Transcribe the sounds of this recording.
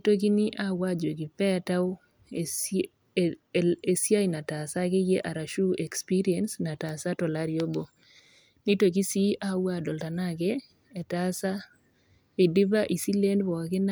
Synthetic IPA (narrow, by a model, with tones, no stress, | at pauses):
to˦ki˦ni˦ʔa˦wa˦d͡ʒo˨ki˨pɛ˦ta˦w | e | e˨sja˦jna˨ta˨sa˦ke˦je˦ʔa˨ɾa˨ʃu˦e˨kspi˦ɾi˦ɛ˨nsna˨ta˨sa˦tɔ˨la˦ɾjo˦bo˨ | ni˦to˨ki˦si˦ʔa˦wa˦˨dɔ˨lta˨na˦keː˦˨ | ta˦sa˦ | e˨dɪ˦ba˦ʔi˨si˦le˦ndbɔ˨a˨kɪ˦na˦